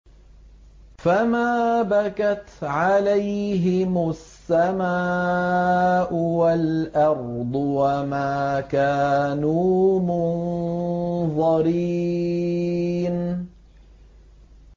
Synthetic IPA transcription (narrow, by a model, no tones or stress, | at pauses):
famaːbakat̪ʕalajɦɪmʊsːama | ʔʊwalʔɑɾd̪ˤʊwamaːkaːnuːmʊn | ðˤɑɾi | n